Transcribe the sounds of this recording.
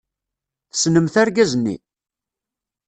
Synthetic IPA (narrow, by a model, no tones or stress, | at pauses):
θə̥snəmθæɾɡæznːḭ